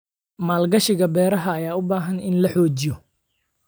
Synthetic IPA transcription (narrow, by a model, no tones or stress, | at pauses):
maːlɡɐʃɪɣɐbɛːɾɐɦɐːjaːʊbaːɦɐnɪnlɐħɔːt͡ʃɪjɔ